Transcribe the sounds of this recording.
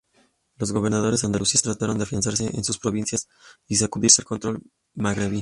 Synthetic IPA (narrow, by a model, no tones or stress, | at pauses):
lo̞zɣo̞βe̞ɾnað̞o̞ɾesand̪alusiast̪ɾat̪aɾo̞nd̪afiansaɾse̞ʔḛnsuspɾo̞βinsjas | is̬akuðiɾselko̞nt̪ɾo̞l | maɣɾeβi